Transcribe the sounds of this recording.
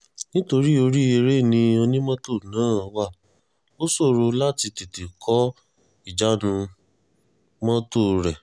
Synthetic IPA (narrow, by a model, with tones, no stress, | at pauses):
nĩ˦to˧ɾi˦o˧ɾi˦e˧ɾe˦˨nĩ˧o˧nĩ˦mɔ̃˦to˦˨nãː˨˦˨wa˦˨ | o˦so˦˨ɾo˧la˦ti˧te˨te˨kʰɔ˨˦ | i˦˨d͡ʒa˨˦nũ˧ | mɔ̃˦to˦˨ɾɛ˨